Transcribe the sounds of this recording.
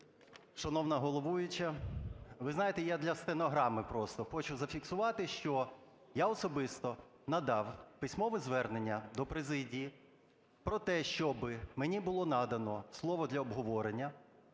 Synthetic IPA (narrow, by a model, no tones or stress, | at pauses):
ʃɐnɔwnɐɦɔlˠɔʋujʊt͡ʃɐ | ʋɪznɑjet̪ɛjad̪lʲɐst̪enɔɦɾɑmɪpɾɔst̪ɔxɔt͡ʃʊzɐfʲiksʊʋɑt̪ɪʃt͡ʃɔ | jaɔsɔbɪst̪ɔ | nɐd̪ɑwpɪsʲmɔʋɪzʋɛrnenʲːɐd̪ɔpɾezɪdʲiji | pɾɔt̪ɛʃt͡ʃɔbɪmenʲibʊlˠɔnɑd̪ɐnɔslˠɔʋɔd̪lʲɐɔbɦɔʋɔɾenʲːɐ